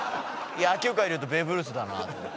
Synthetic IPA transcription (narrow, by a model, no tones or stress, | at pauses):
iaːkʲɨːkaiɾiɯt̪o̞be̞ːbɯ̟ɾɯs̬ɨd̪anoa̰t̪